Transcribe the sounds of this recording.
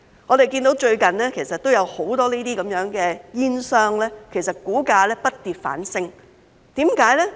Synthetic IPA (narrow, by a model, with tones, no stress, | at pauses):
ŋɔː˨˧ɾe˨jkiː˧nt̪o˨˥wt͡ʃɵ˧ɥkɐ˨˩nlɛː˥kʰe˨˩jsɐ˨t̚t̪ːo˥wjɐ˨˧who˨˥wt̪ɔː˥niː˥t̪iː˥kɐ˨˥mjœː˨˥ŋkɛː˧jiː˥nsœː˥ŋlɛː˥kʰe˨˩js̬ɐ˨t̚kuː˨˥kaː˧lɛː˥pɐ˥t̚t̪iː˨t̚fa̰ː˨˥nsɪ˥ŋ | t̪iː˨˥mkaː˨˥jlɛː˥